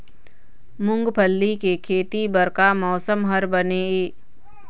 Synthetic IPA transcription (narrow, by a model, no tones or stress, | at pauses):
mʊ̃ŋɡpʰəlːikekʰeːt̪ibəɾkamɔːsəmɦəɾbəneeː